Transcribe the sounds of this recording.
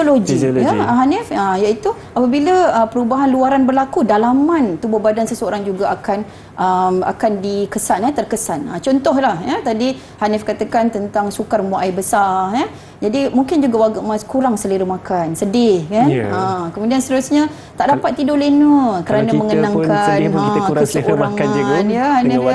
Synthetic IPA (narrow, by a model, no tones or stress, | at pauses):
oloɡiəɦanɪfəjait̪u | apabiləəpəɾubaɦanluaɾanbərlakudalamãnt̪ubobadansəsəoɾaŋd͡ʒuɡaakan | ʔəma̰kandikəsanət̪ərkəsanə̰t͡ʃɔnt̪ɔɦlahjət̪adi | hanɪfkat̪akant̪ənt̪aŋsukarmuʔajbəsarjə | d͡ʒadimũŋkɪnd͡ʒuɡawaɡaʔmãskuɾaŋsəliɾumakansədɪhkanəkəmudianst̪əɾusɲã | t̪aʔdapat̪̚ːidolenukəɾanaməŋənãŋkanə̃t̪usəʔoɾaŋanjəhanɪ